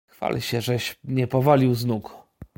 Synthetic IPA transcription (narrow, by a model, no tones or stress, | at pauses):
xfa̰lʲɕɛʐɛɕɲɛpɔvalʲiwznuk